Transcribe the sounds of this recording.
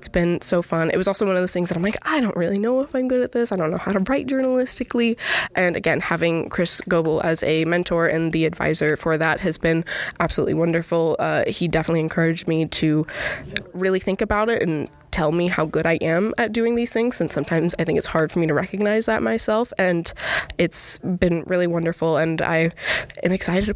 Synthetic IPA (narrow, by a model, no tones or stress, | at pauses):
tsb̥ɨ̃nsoʊfʌ̃nɨ̰t̚wʌzɔlˠsoʊwʌ̃nʌvðəθɪ̃ŋzðɨɾãɪ̃mlaɪkaɪdõʊ̃nʔ̚ɹɪlˠinoʊəfãɪ̃mɡʊɾɨt̪̚ðɪsaɪdõʊ̃nːoʊhaʊɾəɹaɪt̚d̥ʒ̥ɜ˞nəl̩ɪstɨkliʔɨ̃nɨ̰ɡɛ̃nhævɪ̃ŋkʰɹ̥ɪsɡ̥oʊbl̩ˠɨ̰zɨmɛ̃ntʰɔɹʔɨ̰̃nðiɨdva̰ɪzə˞fə˞ðət̚hɨzbɨ̃nʔæb̥səlṵʔˡlḭwʌ̃ndə˞fl̩ˠʌhidɛfənətˡliɨ̃nkʰɜ˞ɨd͡ʒmiɾɨ | ɹɪlˠiθɪ̃ŋkɨbaʊɾɪɾɨ̃n | tʰɛlˠmiɦaʊɡʊɾaɪʔɨ̃mɨt̚d̥ʉɪ̃ŋðiz̥θɪ̃ŋz̥ɨ̃nsʌ̃mtʰãɪ̃mzaɪθɪ̃ŋkɨtshɑɹd̥fə˞miɾɨɹɛkɨɡ̚naɪzðət̚maɪsɛlˠfɨ̃nɨtsb̥ɨ̃nɹʔɪlˠiwʌ̃ndə˞fl̩ˠə̃na̰ɪɨ̰̃mɨksaɪɾɨd̚